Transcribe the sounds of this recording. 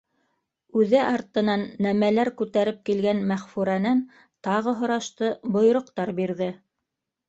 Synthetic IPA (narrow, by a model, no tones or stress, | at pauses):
ʉðɘʔɑɾt̪ɤ̆nɑnːæmælæɾkʉt̪æɾɘp̚kilɡænmæχfuɾænæn | t̪ɑʁɤɦŏɾɑʃt̪ɤbŏj̆ɾŏqt̪ɑɾbiɾðɘ